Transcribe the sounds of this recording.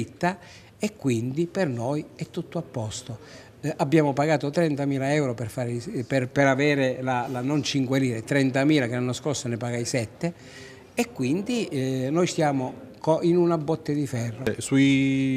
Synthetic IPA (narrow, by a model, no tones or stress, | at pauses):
it̪ːa | ekːwind̪ipernojɛt̪ːut̪ːoapːɔst̪o | ʔabːjaːmopaɡaːt̪ot̪ɾɛnt̪amiːlaɛwɾoperfaːɾeperpeɾavɛːɾelalanont͡ʃiŋkweliːɾet̪ɾɛnt̪amiːlakelanːoskorsonepaɡajsɛt̪ːe | ekːwind̪inɔjst̪jaːmokinunabːɔt̪ːed̪ifɛrːosui